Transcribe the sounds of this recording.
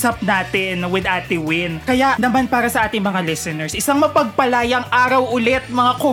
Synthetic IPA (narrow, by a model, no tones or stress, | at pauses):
sɐp̚naːt̪ɪnwɪd̪ʔaːt̪ɪwɪnkɐjaʔnɐmanpaːɾɐsɐʔaːt̪ɪŋmɐŋalɛsɛnɛɹsʔɪsaŋmɐpɐɡ̚pɐlaːjɐŋʔaːɾɐwʔʊlɛt̪̚mɐŋako